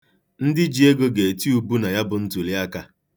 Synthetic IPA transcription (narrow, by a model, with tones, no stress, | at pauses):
n̩˦dɪ˦d͡ʒi˨e˦ɡo˦ɡe˨e˨ti˦u˦bu˦na˨ja˦bʊ˨n̩˦tu˨li˦a˦ka˦